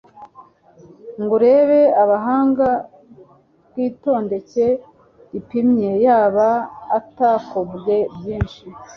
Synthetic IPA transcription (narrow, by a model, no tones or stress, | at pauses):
ŋɡuɾe̞ːβe̞aβaɦaːŋɡa | bɡiːto̞ːnde̞ce̞ | ipimɲe̞jaːβaːtakobje̞bjiːnʃi